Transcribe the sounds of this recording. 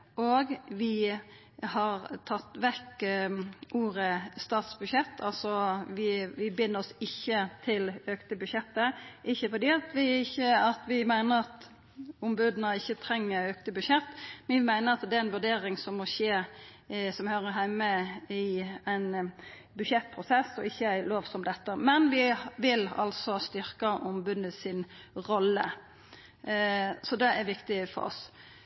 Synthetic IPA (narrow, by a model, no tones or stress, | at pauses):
oɡʋɪ | hɑɾt̪ʰɑt̪ːʋɛk | ʔuːɾəst̪ɑːt̪sbʉʃjɛt̪ʰːɑlsɔʋɪʋɪbɪnːəɾɔsɪçːət̪ʰɪløːkt̪əbʉʃjɛt̪ːəʔɪçːəfɔd̪iːɑt̪ʋɪɪçːəɑt̪ʋɪmæɪnəɾɑt̪ | ʊmbʉːd̪nəɪçːət̪ʰɾɛŋːəɾøːkt̪əbʉʃjɛt̪ːmæɪnəɾɑt̪d̪ɛːɾæɛnʋʉɖ̪eːɾɪŋsɔmːɔɕeː | sɔmhøːɾəɦæɪməɪæɪn | bʉdɕɛt̪̚ːpʰɾʊsɛsːɔɪçːəæɪloːʋsɔmd̪ɛt̪ːəmɛnʋɪʋɪlɑ̰lsɔst̪ʏɾkɑʔʊmbʉd̪əsɪn | ʁɔlːə̰ | sɔd̪ɛæɾʋɪkt̪ɪfɔ̰ɾɔ̰s